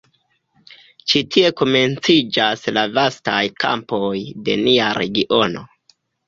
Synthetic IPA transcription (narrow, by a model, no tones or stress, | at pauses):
t͡ʃitʰie̞ko̞me̞nt͡sid͡ʒaslavastajka̰mpo̞jde̞̰niaɾe̞̰ɡiʔo̞no̞̰